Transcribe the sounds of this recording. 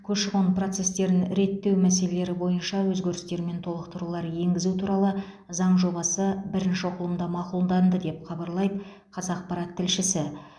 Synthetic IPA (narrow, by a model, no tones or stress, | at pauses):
kʲʰɵʃɪʁonpro̞t̪se̞st̪e̞ɾɪnɾe̞t̪ːe̞wmæse̞le̞le̞ɾɪbo̞jənʃɑwɵzɡʲe̞ɾɪst̪e̞ɾɪme̞nt̪ʰo̞lˠəqt̪əɾulˠɑɾje̞ŋɡʲɪzut̪ʰuɾɑlˠə | zɑɴʒo̞bɑsəbɪɾɪnʃɪoqʊlˠəmd̪ɑmɑqulˠd̪ɑnd̪əd̪e̞pχɑbɑɾlˠɑjb̪ | qʰɑzɑqpɑɾɑt̪ʰːɪlʃɪsɪ